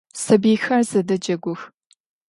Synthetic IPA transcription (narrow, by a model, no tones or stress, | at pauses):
sɐbiːxɐrzɐdɐd͡ʒɐɡʷʊx